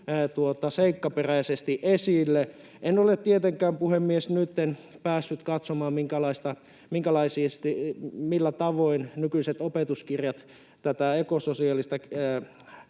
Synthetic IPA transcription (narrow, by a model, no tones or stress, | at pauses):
t̪uot̪ɑseikːɑperæisest̪iʔesilːe | ʔenolett̪iet̪eŋkæːmpuhemːiesnyt̪ːenpæːsːyt̪kɑt̪somɑːmmiŋkælɑist̪ɑ | miŋkælɑisist̪imilːæt̪ɑʋoinnykyiset̪opet̪uskirjɑt̪ | t̪æt̪æekososiɑlːist̪ɑ